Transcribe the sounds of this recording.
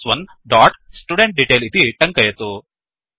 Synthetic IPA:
sʋɐn | ɖɔːʈsʈuːɽeɳʈ̚ɖiʈelit̪iʈɐŋkɐjet̪oː

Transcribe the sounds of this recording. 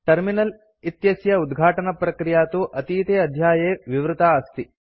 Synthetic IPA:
ʈɐɾminɐl | it̪jɐsjɐud̪ɡʱaːʈɐnɐpɾɐkɾijaːt̪uʔɐt̪iːt̪eːɐd̪ʱjaːjeːʋiʋɾut̪aːst̪i

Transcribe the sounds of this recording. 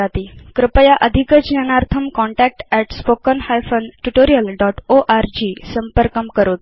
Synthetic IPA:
at̪ikɾəpəjaʔəd̪ʱikət͡ɕjənaɾt̪ʰəmkɔɳʈɛk̚ʈɛʈspokənhajfənʈuʈoɾijəlɖɔʈoʔaɾd͡ʑisəmpəɾkəmkəɾot̪̚

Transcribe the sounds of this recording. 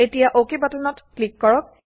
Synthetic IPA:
etijaʔokebatɔnɔtklikːɔɹɔk̚

